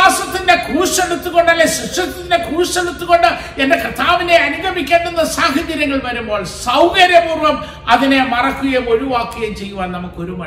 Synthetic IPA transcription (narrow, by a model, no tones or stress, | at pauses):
aːsɐt̪ːinde̞kʰuːʂeɽut̪ːuɣo̞ɳɖɐlːeɕiʂjɐt̪ːinːe̞kuːʂeɽut̪ːuɣo̞ɳɖɨ | endekɐt̪ʰːaːʋine̞ɐnuɡɐmikʲːeːɳɖenːɐsaːɦɐd͡ʑːɐɾjɐŋːɐɭʋɐɾumbo̞ːɭsɐwɣɐɾjɐʋuːrʋɐm | ɐðine̞mɐrɐkːuɣemo̞ɾuʋaːkːɐjɐmt͡ɕe̞jːuʋaːnnɐmukːɨo̞ɾumɐ